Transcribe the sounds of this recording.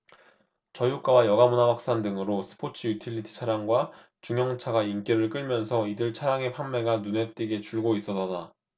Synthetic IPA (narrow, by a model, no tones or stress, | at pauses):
t͡ɕʌjuk͈awajʌɡamunawak̚s͈andɯŋɯɾosʰɯ̥pʰot͡ɕʰɯjutʰiʎːitʰi̥t͡ɕʰaɾjaŋɡwa | t͡ɕuŋjʌŋt͡ɕʰaɡaink͈eɾɯɭk͈ɯɭmjʌnsʰʌidɯɭt͡ɕʰaɾjaŋe̞pʰamme̞ɡanune̞t͈eɡe̞t͡ɕuɭɡois͈ʌsʌda